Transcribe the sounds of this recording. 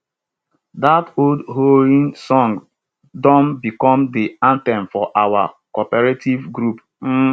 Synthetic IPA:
datoldɦoɹĩnsɔ̃ŋ | dɔ̃nbikɔ̃mdiãntɛ̃mfɔʔawa̰kɔpɛɹetʰivɡɾup | m̩

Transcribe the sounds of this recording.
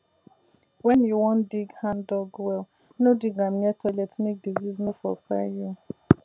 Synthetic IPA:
wɛniwɔ̃ndiɡhãndɔɡwɛl | nodiɡam̩jɛtʰɔlɛtnik̚diziznofɔ̰ka̰ju

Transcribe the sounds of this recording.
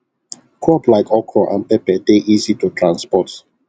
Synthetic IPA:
kʰɔplaɪkɔkʰɔʔã̰npɛpɛdeʔizitutʰɹãnspɔt

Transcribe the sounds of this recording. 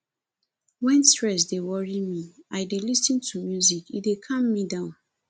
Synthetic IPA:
wɛ̃nstɹɛs̬dewɔɹimiaɪdelisĩntʰumjuzikidekʰʌ̃mːidãʊ̃n

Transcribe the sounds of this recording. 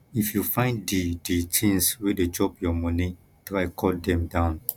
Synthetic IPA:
ifjufãɪ̃ndidit͡ʃẽnsweded͡ʒɔpjɔmɔ̃nĩ | tɾaɪkʰɔldɛ̃mdãʊ̃n

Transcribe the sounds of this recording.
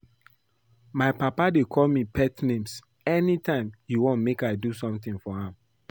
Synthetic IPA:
maɪpapadekʰɔlmipʰɛtnẽms | ɛnitʰãɪ̃mjuwõnmekaɪdusɔ̃mt̪ĩŋfɔhãm

